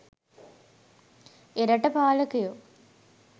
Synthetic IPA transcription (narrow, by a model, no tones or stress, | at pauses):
eɾɐʈːɐpaːlɐkːɐjoː